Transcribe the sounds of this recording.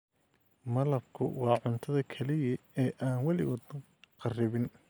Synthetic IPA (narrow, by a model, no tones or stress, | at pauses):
mɐlɐb̚kʰʊ̰wɑːʕʊnt̪ʰɐðɐkʰɐlɪjɐɛːʔaːnwɑlɪ̰wɑd̪ | qɑrɪβɪn